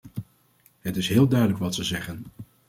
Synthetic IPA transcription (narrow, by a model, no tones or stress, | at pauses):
ɦətɪsɦɪːlˠdœɥdələkʋɑtsəzɛχən